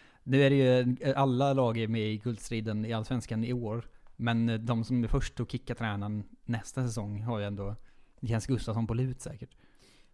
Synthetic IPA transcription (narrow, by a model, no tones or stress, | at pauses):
nʉ̟ːæɾɛjɵʔalːalɑːɡəɾmɛɪɡʰɵld̪st̪ɾiːd̪ənɪalːasvɛnskanɪoːɾmɛnd̪ɔmsɔmæɾfœʂʈɔkʰɪkːat̪ʰɾɛːnanːɛst̪asɛsɔŋːɦaɾjəɛnd̪oːnɪkʰɛnsɡɵst̪avsɔnpɔlʉ̟ːt̪sɛ̰ːkəʈ